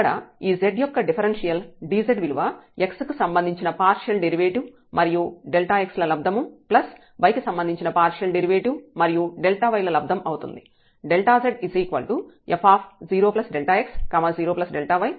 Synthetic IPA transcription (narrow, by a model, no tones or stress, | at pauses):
ɐɽɐ̰iːzeɖjɔkːɐɖipʰɐɾenʂijɐlɖiːzeɖʋiluʋɐe̞kskusɐmbɐnd̪ʱiɲt͡ʃinɐpaːɾʂjɐlɖeɾiʋeːʈi | mʔɐɾijuɖelʈaːekslɐlɐb̚d̪ʱɐmuplɐs | ʋɐjkusɐmbɐnd̪ʱiɲt͡ʃinɐpaːɾʂjɐlɖeɾiʋeːʈimɐɾijuɖelʈaːʋɐjlɐlɐb̚d̪ʱɐmɐwut̪ṵnd̪i | ɖelʈaːzeɖisiːkʋɐ̰lɭʈu | epʰaːpʰziːɾoːplɐsɖelʈaːekskɐmɐziːɾoːplɐsɖelʈaːʋɐj